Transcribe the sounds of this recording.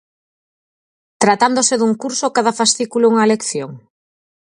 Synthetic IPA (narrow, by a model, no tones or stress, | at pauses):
t̪ɾat̪and̪osɪðuŋkuɾsokað̞afast̪ikulouŋɐelekθjoŋ